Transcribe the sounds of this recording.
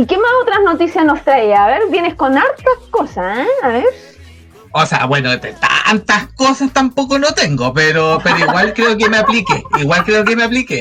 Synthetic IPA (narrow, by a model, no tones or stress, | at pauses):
ikemasot̪ɾasnot̪isjasnost̪ɾaiaːβeɾbjeneskonaɾt̪ahkosaeaβeɾ | osea̰βwenot̪et̪a̰nt̪ahkosast̪ampokonot̪eŋɡopeɾopeɾoiɣwalkɾeok̬emeaplikeiɣwalkɾeokemeaplike